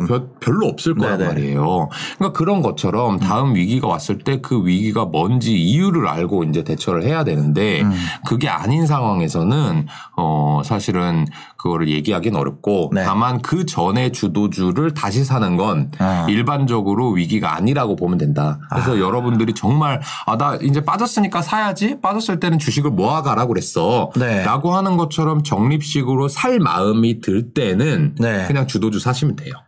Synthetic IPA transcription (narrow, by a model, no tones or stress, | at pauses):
ppjʌɭːoʌp̚s͈ɯɭk͈ʌɾaaɾejokakɯɾʌnɡʌt͡ɕʰʌɾʌmtaɯmɥiɡiɡawa̰s͈ɯɭt͈e̞kɯɥiɡiɡamʌnd͡ʑiijuɾɯɾa̰ɭɡoind͡ʑe̞te̞t͡ɕʰʌɾɯɭhe̞jadwe̞nɯnde̞kɯɡe̞a̰ɲins̬ʰaŋɦwaŋe̞sʰʌnɯn | ʌsʰaɕʰiɾɯn | kɯɡʌɾɯɭje̞ɡiɦaɡinʌ̰ɾjʌp̚k͈oamankɯt͡ɕʌne̞t͡ɕudod͡ʑuɾɯɭtaɕʰisʰanɯnɡʌniɭband͡ʑʌɡɯɾoɥiɡiɡa̰ːɲiɾaɡopomjʌndwendakɯɾesʰʌjʌɾʌbundɯɾit͡ɕʌŋmaɾ | adaʔind͡ʑe̞p͈ad͡ʑʌs͈ɯɲik͈asʰajad͡ʑip͈ad͡ʑʌs͈ɯɭt͈e̞nɯnt͡ɕuɕʰiɡɯɭmoaɡaɾaɡohe̞s͈ʌneɾaɡoɦanɯnɡʌt͡ɕʰʌɾʌmt͡ɕʌŋɲip̚ɕ͈iɡɯɾosʰaɭma̰ɯmitɯɭt͈e̞nɯnekɯɲaŋt͡ɕudod͡ʑusʰaɕʰimindwe̞̰jo